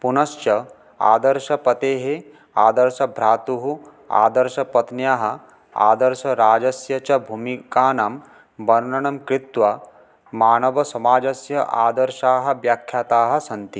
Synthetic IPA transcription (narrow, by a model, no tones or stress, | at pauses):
punɐʃt͡ʃɐ | a̰ːd̪ɐɾʃɐpɐt̪eːɦe | aːd̪ɐɾʃɐbʱɾaːt̪uɦu | a̰ːd̪ɐɾʃɐpɐt̪njaːɦɐ̆ | a̰ːd̪ɐɾʃɐɾaːd͡ʒɐsjɐt͡ʃɐbʱuːmikaːnaːm | bɐɾnɐɳɐmkɾit̪ʋɐ | maːnɐʋɐsɐmaːd͡ʒɐsjɐʔaːd̪ɐɾʃaːɦɐ̆ʋjaːkʰjaːt̪aːɦɐ̆sɐnt̪i